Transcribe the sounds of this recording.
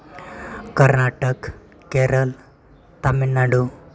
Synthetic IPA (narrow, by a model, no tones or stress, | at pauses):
kəɾnaːʈək | keːɾəl | t̪aminːaɖu